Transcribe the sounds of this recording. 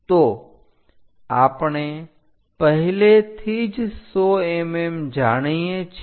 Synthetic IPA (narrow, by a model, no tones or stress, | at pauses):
t̪oː | aːpɽ̃e | pəɦɪlet̪ʰid͡ʑsoeːmeːmd͡ʒaːɽ̃iẽt͡ʃʰ